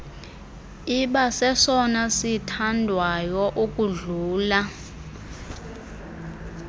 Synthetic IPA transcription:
iɓasɛsɔnasitʰandʱwajɔʔukʼuɮuːla

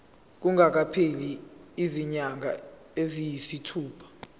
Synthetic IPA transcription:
k̬uŋak̬apʰeliiziɲaŋʱa̰ | ezijisitʰuːpʰḁ

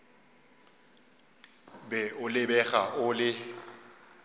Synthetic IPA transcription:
bɛʊlɪbɛɣa̰ʔʊlɪ

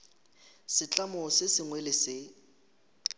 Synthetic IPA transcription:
sɪt͡ɬʼamɔsɪsɪŋwɛlɪsɪ

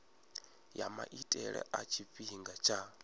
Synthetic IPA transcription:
jamaʔitʼɛɺɛ̰ʔat͡ʃʰifiɦiŋɡat͡ʃʰa

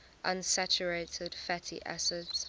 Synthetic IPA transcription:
ʔʌ̃nsat͡ʃəɹeɪtʰɪd̥fɛtʰḭʔa̰sɪds

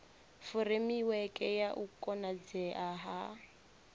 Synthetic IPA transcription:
fuɾemiwɛkʼɛjaʔukʼɔnad͡zɛʔaɦa

